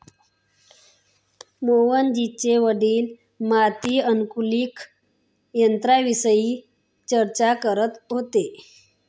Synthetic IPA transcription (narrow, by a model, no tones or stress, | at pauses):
moʋənd͡ʑit͡ɕeʋəɽiːl | mat̪iːənkuliːk | jənt̪ɾaʋisəjiː | t͡ɕəɾt͡ɕakəɾət̪ɦot̪e